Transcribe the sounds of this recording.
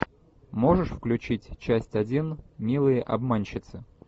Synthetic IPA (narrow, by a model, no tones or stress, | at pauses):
mo̞ʐɨʂfklʲʉt͡ɕitʲt͡ɕæsʲtʲɐdʲinmʲilˠɨjəʔɐ̰bmanʲɕɪt̪sɨ